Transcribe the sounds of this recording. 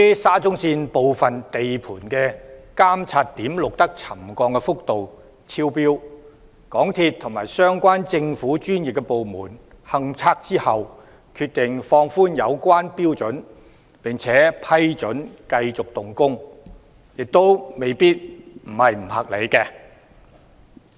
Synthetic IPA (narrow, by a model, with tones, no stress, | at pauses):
saː˥t͡sʊ˥ŋsiː˧npo˨wfɐ˨˩nt̪e˨jpʰuː˨˩nkɛː˧kaː˥mt͡sʰaː˧t̚t̪ːiː˨˥mlʊ˨k̚t̪ɐ˥k̚t͡sʰɐ˨˩mkɔː˧ŋkɛ˧fʊ˥k̚t̪o˨w | t͡sʰiː˥wpiː˥w | kɔː˨˥ŋt̪ʰiː˧t̪ʰːʊ˨˩ŋmaː˨˩jsœː˥ŋkʷwaː˥nt͡sɪ˧ŋfuː˨˥t͡ʃyː˥njɪ˨kːɛ˧po˨wmuː˨˩n | hɐ˨ŋt͡sʰaː˧k̚t͡siː˥hɐ˨w | kʰyː˧t̚t̪ɪ˨ŋfɔː˧ŋfuː˥njɐ˨˧wkʷaː˥npiː˥wt͡sɵ˨˥n | pɪ˨˩ŋt͡sʰɛː˨˥pʰɐ˥jt͡sɵ˨˥nkɐ˧jt͡sʊ˨k̚t̪ʊ˨ŋkʊ˥ŋ | jɪ˨k̚t̪o˥wme˨˩jpiː˥t̚m̩˨˩hɐ˨jm̩˨˩hɐ˨k̚le˨˧jkɛː˧